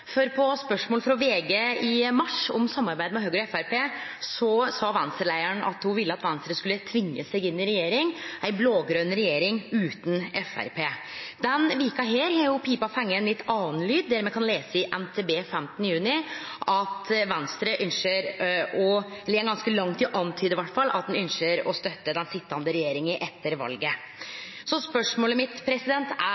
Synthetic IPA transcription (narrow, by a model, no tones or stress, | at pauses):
fɔɾpʰɔspœʂmoːləfɾɔʋeːɡeːɪmɑʂɔmsɑmːɑɾbæɪd̪əmɛɦøːɡɾɔɛfæɾpʰeːsɔsɑːʋɛnst̪ɾəlæɪəɳʔɑ̰t̪hʊʋɪlːəɑt̪ʋɛnst̪ɾəskʉlːət̪ʰʋɪŋːəsɛɡɪnːɪɾɛjeːɾɪŋʔæɪbloːɡɾønɾɛjeːɾɪŋʉːt̪n̩ɛfæ̰ɾpʰeː | d̪ɛnʋiːkɑɦeːɾhɑɾjʊpʰiːpɑfɛŋːəɛnlɪt̪ʰːɑːnlyːd̪̚d̪æɾmɛːkʰɑnleːsəɪʔɛnt̪ʰeːbeːfɛmt̪nəjʉːnɪʔɑt̪ʋɛnst̪ɾəʔʏnʃəɾɔlɪːɡɑnskəlɑŋt̪ɪʔɑnt̪ʰyːd̪ɪʋæʈːfɑlːʔɑ̰t̪̚d̪ɛnʏnʃəɾɔst̪œt̪ːəd̪ɛnsɪt̪ːɑnd̪əɾɛjeːɾɪŋəʔɛt̪ʰːəɾʋɑ̰lɡə | sɔspœʂmoːləmɪt̪pʰɾɛsɪd̪ɛnt̪æ